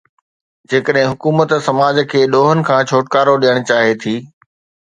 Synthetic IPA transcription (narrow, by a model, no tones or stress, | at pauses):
d͡ʑeːkəɗɦɪ̃ɦʊkuːmət̪sɐmaːd͡ʑkʰeːɗoːɦənɪ̆kʰãːt͡ɕʰoːʈkaːɾoɗijəɽ̃t͡ɕaːɦet̪ʰiː